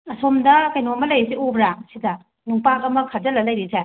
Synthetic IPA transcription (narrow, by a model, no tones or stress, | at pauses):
ɐsomdɐkɐjnomɐlɐjsiobɾasidɐ | nuŋpaɐmɐkʰɐd͡ʒɐlɐlɐjɾise